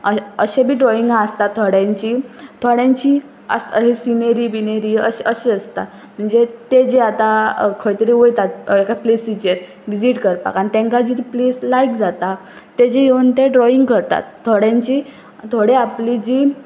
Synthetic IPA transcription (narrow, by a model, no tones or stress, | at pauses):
əəɕebʱiːɖɾɔiŋɡaəst̪at̪ʰːoɽjãɲt͡ɕiːt̪ʰoɽjãɲt͡ɕi | ə̰səɦisineɾibineɾiə̰ɕəɕeəst̪a̰ | m̤əɳd͡zet̪ed͡ʑeat̪akʰəjt̪əɾiʋojt̪at̪ekaplesid͡ʑeɾ | ʋid͡ʑiʈkəɾpa̰kañit̪ẽŋkad͡ʑit̪ipleslajkd͡zat̪aː | ed͡ʑeɦeunt̪eɖɾɔiŋɡkəɾt̪a̰t̪ʰːoɽjãɲt͡ɕi | t̪ʰoɽeaplid͡ʑiː